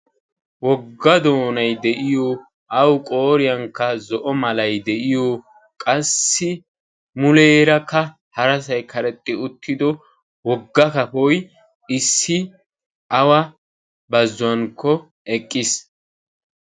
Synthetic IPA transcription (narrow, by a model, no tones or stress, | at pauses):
wɔɡːɐd̪o̞ːnɐjd̪ɛʔɪjɔ | ʔɐwkʼoːɾɪjɐŋkːɐzɔʔɔmɐlɐjd̪ɛʔɪjɔ | kʼɐsːɪ | mʊleːɾɐkːɐ | hɐɾɐsɐjkʰɐɾɛt̪ʼːɪʊt̪ʰːɪd̪ɔ | wɔɡːɐkɐpɔj | ɪsːɪ | ʔɐwɐ | bɐzʊwɐŋkʰːɔ | ɛkʼːɪs